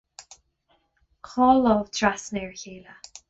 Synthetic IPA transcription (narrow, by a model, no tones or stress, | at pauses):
kʰɔːlɔvtʰɹasnɛːɹçiːlə